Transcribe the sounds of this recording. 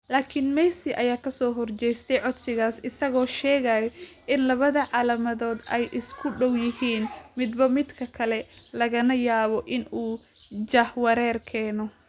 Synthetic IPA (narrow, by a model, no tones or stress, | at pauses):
laːkʰɪnmɛjsɪʔɐjaːkʰɐsɔːɦɔrt͡ʃɛjst̪ʰɛjʕɔd̪sɪɣaːsɪsɐɣɔːʃɛːɣajɔʔɪnlɐβɐðɐʕɑːlɐmɐðɔːd̪ɛjʔɪskʰʊɖɔwjɪɦiːnmɪd̪bɐmɪd̪kʰɐkʰɐlɛlɐɣɐnɐjaːβɔʔɪnuːd͡ʒɐhwɐɾɛːrkʰɛːnɔ